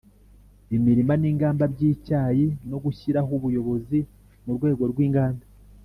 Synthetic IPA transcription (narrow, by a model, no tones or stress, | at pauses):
imiɾimaniːŋɡaːmbabɟiːcaːjino̞ɡuçiɾaɦuβujo̞βo̞zi | muɾɡwe̞ːɡo̞ɾɡwiːŋɡaːnda